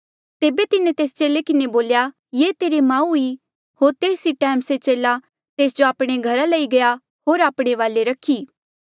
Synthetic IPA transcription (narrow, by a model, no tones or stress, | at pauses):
t̪eːbet̪ɪnẽt̪eːst͡ʃeːlekɪneboːlja | jeːt̪eːɾemãːui | hoːɾt̪eːsiʈɛ̃ːmset͡ʃeːla | t̪eːsd͡ʒoaːpɽ̃eɡʱɐɾalɐiɡɐja | ɦoːɾaːpɽ̃eʋaːleɾɐkʰːiː